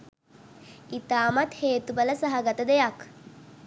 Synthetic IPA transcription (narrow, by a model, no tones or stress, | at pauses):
it̪aːmat̪heːt̪ubələsaɦaɡət̪əd̪ejak